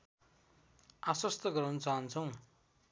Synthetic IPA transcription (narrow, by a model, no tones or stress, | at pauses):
aswʌst̪ʌɡʌɾawnʌt͡saɦʌnt͡sʰʌw̃